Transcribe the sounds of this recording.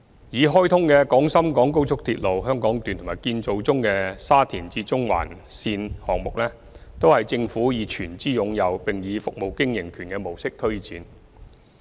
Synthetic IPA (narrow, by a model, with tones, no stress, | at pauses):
jiː˨˧ɦɔː˥jt̪ʰʊ˥ŋkɛː˧kɔː˨˥ŋsɐ˥mkɔː˨˥ŋko˥wt͡sʰʊ˥k̚t̪ʰiː˧t̚lo˨wɦœː˥ŋkɔː˨˥ŋt̪yː˨nt̪ʰmaː˨jkiː˧nt͡so˨wt͡sʊ˥ŋkɛ˧saː˥t̪ʰiː˨˩nt͡siː˧˥t͡sʊ˥ŋwa̰ː˨˩nsiː˧nhɔː˨˩ŋmʊ˨k̚lɛː˥ | t̪o˥whɐ˨jt͡sɪ˧ŋfuː˨˥jiː˨˧t͡ʃʰyː˨˩nt͡siː˥jʊ˨˧ŋjɐ˨˧wpɪ˨˩ŋjiː˨˧fʊ˨k̚mo˨˩wkɪ˥ŋjɪ˨˩ŋkʰyː˨˩nkɛː˧mo˨˩wsɪ˥k̚t̪ʰɵ˥ɥt͡siː˨˧n